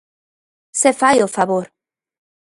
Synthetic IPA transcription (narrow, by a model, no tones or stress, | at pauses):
sefajofaβoɾ